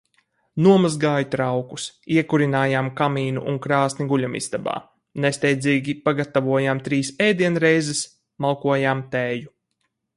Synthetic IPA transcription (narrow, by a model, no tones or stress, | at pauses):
nuɔmazɡaːjut̪ɾawkusiɛkuɾinaːjaːmkamiːnṵʔuŋkɾaːsnʲiɡulʲamḭz̥d̪aba̰ː | nest̪ɛjd̪zʲiːɡʲipaɡat̪avuɔjamt̪ɾiːsɛjd̪iɛnɾɛjzɛs | malˠkuɔjaːmt̪ɛːju